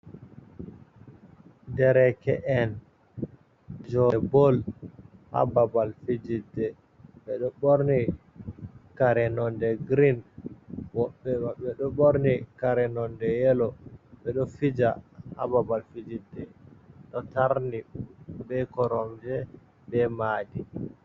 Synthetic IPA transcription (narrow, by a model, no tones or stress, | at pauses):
ndɛɾɛkɛʔɛn | d͡ʒɔbɔlha̰babalfid͡ʒidːɛ | ɓɛɗɔɓoɾni | kaɾɛnɔndɛɡɾin | wɔɓːɛaɓɛɗɔɓoɾnikaɾɛnɔndɛjɛlɔɓɛɗɔfid͡ʒaha̰babalfid͡ʒidːɛɗɔtaɾnibɛkɔɾɔmd͡ʒɛ | bɛmaːdi